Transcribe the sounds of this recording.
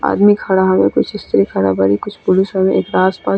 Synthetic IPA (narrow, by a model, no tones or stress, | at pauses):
a̰ːd̪mikʰɐɽaɦɐmẽkʊt͡ʃʰɪst̪əɾikʰaɽa̰baɾikʊt͡ʃʰpʊlisɦəmẽʔeːkɾaːspa